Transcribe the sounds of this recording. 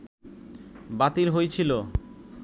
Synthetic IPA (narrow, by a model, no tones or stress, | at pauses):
bat̪ilɦojt͡ɕʰilo